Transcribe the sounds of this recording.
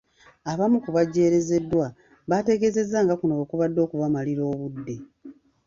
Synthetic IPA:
aβamukuβaɟe̞ːɾe̞ze̞dːwa | βate̞ɡe̞ze̞zːaːŋɡakunoβokuβadːo̞ːkuβamaliɾo̞ːβudːe̞

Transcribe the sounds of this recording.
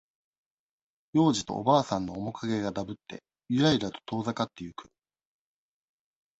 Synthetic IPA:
jo̞ːʑit̪o̞̰o̰baːsãnːo̞ːmo̞kaɡe̞ɡad̪abɯ̟t̪ːe̞̰ | iɾaiɾat̪o̞̥t̪o̞ːzakat̪ːe̞jɯ̟kɯ̟̥

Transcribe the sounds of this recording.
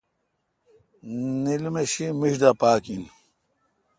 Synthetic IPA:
nilmeɕimiɕd̪apaːkin

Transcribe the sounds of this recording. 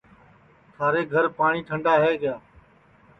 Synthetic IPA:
t̪ʰaːɾeːɡʱəɾpaːɳ̃iːʈ̪ʰəɳɖaːɦeːɡɪjaː

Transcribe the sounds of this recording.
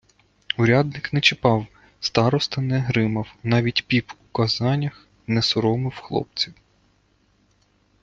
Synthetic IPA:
ʊɾʲad̪nɪknɛt͡ʃɪpɑw | st̪ɑɾɔst̪ɐnɛɦɾɪmɐwnɑʋʲitʲpʲipukɐzɑnʲɐx | nɛsɔɾɔmɪwxlˠɔ̰p̚t͡sʲiw

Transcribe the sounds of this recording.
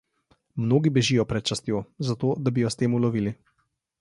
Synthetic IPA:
mnoːɡibɛʒijɔpɾɛt̪̚t͡ʃast̪joːzat̪oːd̪abijɔst̪eːmulɔʋiːli

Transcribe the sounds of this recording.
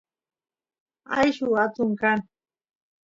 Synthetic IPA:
a̰jʃʊat͡sʊŋkaŋ

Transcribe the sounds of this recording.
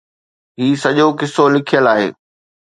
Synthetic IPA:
ɦiːsɐʄokɪsolɪkʰijəlaːɦḛː

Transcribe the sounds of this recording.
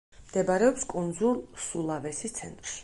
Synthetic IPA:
md̪̥ɛbaɾɛɔpskʼund̪zulˠsulˠavɛsit̪sʰɛ̰nt̪ʼɾʃi̥

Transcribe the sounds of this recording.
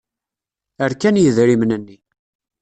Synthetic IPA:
əɾkænjəðɾimnənːi

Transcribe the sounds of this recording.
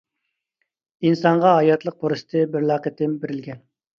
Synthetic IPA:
insɑɴʁɑɦɑjɑt̪lˠəq̚boɾɨsɨ̥t̪ʰɨbɪɾlˠɑːqət̪ʰːɪmbeɾɪlɡʲɛn

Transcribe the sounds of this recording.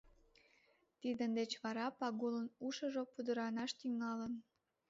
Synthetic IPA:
t̪id̪ənd̪et͡ɕβɑɾɑpɑɣulənuʃəʒopud̪əɾɑnɑʃt̪yŋɑlən

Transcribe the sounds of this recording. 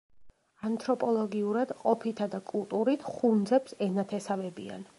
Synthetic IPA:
ant̪ʰɾɔpʼɔlˠɔɡiuɾad̪qʼɔpʰit̪ʰad̪akʼulˠt̪ʼuɾit̪ʰχund̪zɛpsɛnat̪ʰɛsavɛbḭa̰n

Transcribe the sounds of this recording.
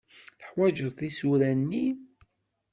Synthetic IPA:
θəħwæʒəðˤθisuɾænːi

